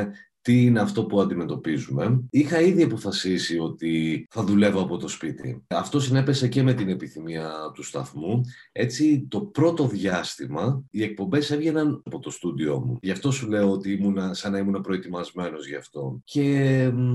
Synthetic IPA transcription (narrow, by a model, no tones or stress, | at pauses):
t̪iine̞ɐft̪o̞puɐnd̪ime̞t̪o̞pizume̞ixɐiðiɐpo̞fɐsisio̞t̪iθɐðule̞voɐpo̞t̪o̞spit̪ḭɐft̪o̞sine̞pe̞se̞ce̞me̞t̪ine̞piθimiɐt̪ust̪ɐ̰θmue̞t͡sit̪o̞pɾo̞t̪o̞ðʝɐst̪imɐie̞k̚po̞mbe̞se̞vʝe̞nɐnɐpo̞t̪o̞st̪ud̪io̞̰mṵʝɐft̪o̞sule̞oot̪iimunɐsɐnɐimunɐpɾo̞e̞t̪imɐzme̞no̞zʝɐft̪o̞̰ce̞